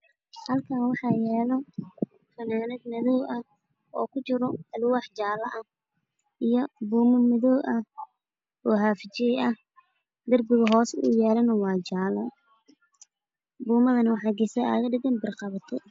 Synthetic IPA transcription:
hɐlkʰaːnwɑħɑjɛːlɐ | fɐnaːnɛd̪nɐðɔwʔɐ | ʔɔ̰ːkʰʊt͡ʃɪɾɔɐlwɑːħt͡ʃaːlɐʔɐ | ʔijɔbuːmɐmɐðɔːʔɐ | ɔːɦaːfɪt͡ʃɪjɛjɐh | d̪ɐrbʊɣɐɦɔːsʊ̰jɛːlɐnɐwɑːt͡ʃaːlɐ | buːmɐðɐnɐwɑħɑːɡɛsɐa̰ːɣɐɖɪɡɐnbɪrqɑβɐt̪ʰɛ̰

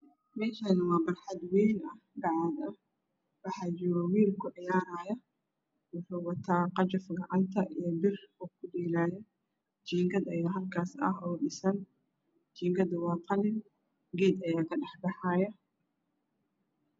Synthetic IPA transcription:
mɛːʃaːnɪwɑːbɐrħɑd̪wiːlɐhɡɑʕad̪ɐ | wɑħɑːd͡ʒɪɾɔwiːlkʰʊʕɪjaːɾaːjɐ | wʊħuːwɐt̪ʰaːqɑt͡ʃɐfɡɑʕant̪ʰɐʔijɔbɪrɔkʰʊdiːlaːjɛ | t͡ʃiːŋɡɐd̪ɐjaːɦɐlkʰaːsɐ̰ɦɔːɖɪsɐn | t͡ʃiːŋɡɐd̪wɑːt̪ʰɑlɪn | ɡɛːd̪ɐjaːkʰɐɖɐħbɑħaːjɐ

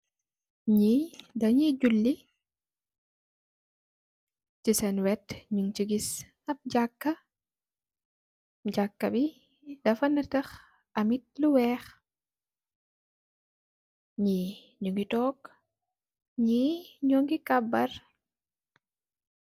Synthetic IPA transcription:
ɲidɐɲiɟulːi | cisɛnwɛtɲuŋt͡ʃiɡis | ɐp̚ɟakːɐ | ɟakːɐbi | dɐfɐnɐtɐx | ɐmit̚luwɛːx | ɲi | ɲuŋɡitɔːk | ɲiɲɔːŋɡikɐbːɐr

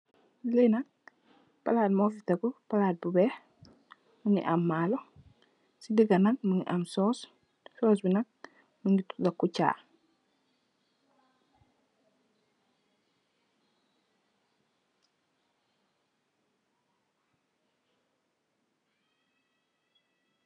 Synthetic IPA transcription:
lenak̚ | palaːt̚mofitakupalaːt̚bubɛː | muŋḭʔamːaːlɔ | sidiɡanak̚muŋḭʔamsɔːs | sɔːs̬binak̚ | muŋitu̥dakːuca̰ː

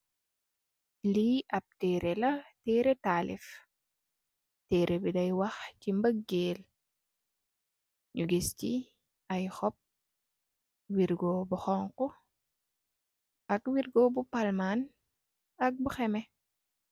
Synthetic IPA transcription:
liʔɐp̚tɛːɾɛlɐtɛːɾɛtaːlḭf | tɛːɾʔebidɐjwɐxcimbəɡːeːl | ɲuɡisci | ɐjxɔp̚ | wiɾɡoːbuxɔŋkɔ | ɐkwiɾɡɔːbupalman | ɐk̚buxɛmɛ

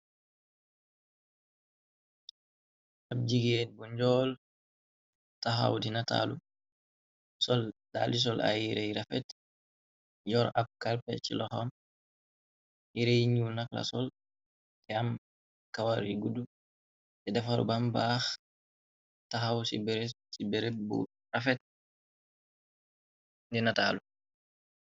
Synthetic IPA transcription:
ʔab̚d͡ʒiɡɛd̚bɔɲd͡ʒɔl | taɦa̰wdinata̰lṵ | sɔldalis̬ɔlʔa̰jiɾejɾafɛt | d͡ʒɔɾʔab̚kalpɛt͡ʃḭlɔxɔm | iɾejɲunakla̰sɔl | kɛam | kawaɾiɡudu | ʔɛdɛfaɾṵbambax | taɦawsibɛɾsibɛɾɛbṵ | rafɛt̚ | dinatalu

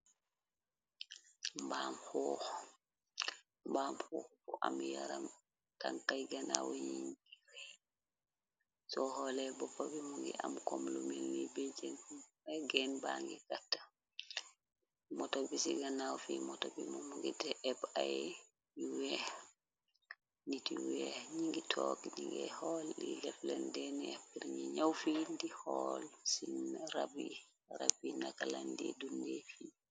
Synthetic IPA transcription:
mbaːmhɔːx | mbaːmhɔːxfɔʔamja̰ɾam | taŋkajɡanawjinɡiɾɛ | sɔhɔlɛbɔpːabimuŋɡiʔamkɔmlumilːibɛd͡ʒen | ɛɡɛnbaŋɡiɡatːḁ | mɔtɔbisiɡanawfimɔtɔbimɔmuɡidɛɛbajɛ | iwɛh | nitiwɛɲiŋɡitʰɔkiniŋɡɛhɔlːilɛflɛndɛnɛjapːiɾɲiɲawfindihɔlsinɾabi | ɾabinakalandiɛdundɛfiː

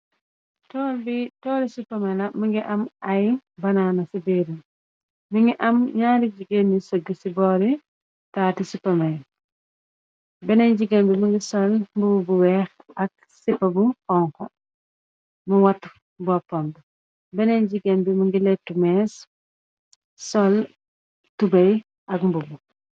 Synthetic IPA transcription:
tɔːlbitɔːɾisipːɐmɐlɐmiŋɡiʔɐmɐjbɐnaːnɐsibeɾum | miŋɡiʔɐmɲaːɾiɟiɡenːisoɡisibɔːɾi | taːtisipɐmɐj | bɛneɲɟiɡenbimɐŋɡisɔnmbububuwɛːxɐk̚ | sipːɐbufɔŋkɔ | muwɐt | bɔpːɔmb | bɛneɲɟiɡenbimiŋɡilɛtːumɛs | sɔl | tubɐj | ɐkmbubu

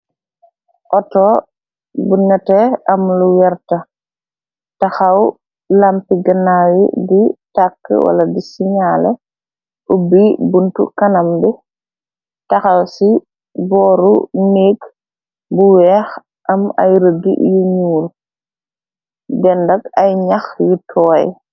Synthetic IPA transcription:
ʔɔtɔː | bunɛtɛɐmluwɛɾtɐ | tɐxaw | lampiɡɐnaːwḭditakːə̰wa̰lɐdisiɲalɛ̰ | ʔubibuntṵkɐnɐmbi | tɐxɐlsi | bɔːɾuneːɡ | buwɛːx | ʔɐmɐ̰jɾəɡḭjuɲuːɾ | dɛndɐkɐjɲɐxjutʰɔːj

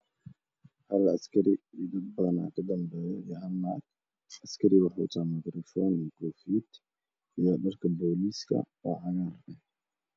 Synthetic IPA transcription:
hɐlɐskʰɐɾɪid̪ɐbɐna̰ːkʰɐd̪ɐmbɛːjɛɦɐlmaːɡ | ɐskʰɐɾɪwɑħṵːt̪ʰaːmɐt̪ɾɔfɔnikʰɔːfiːd̪ | ijɔɗɐrkʰɐbɔːliːskʰɐ̰wɑʕɑɣaːɾɛ

